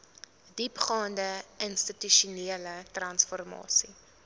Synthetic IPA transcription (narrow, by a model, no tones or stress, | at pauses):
dipχɑːndəənstətyʃuniələtrɐnsfɔrmɑ̰ːsi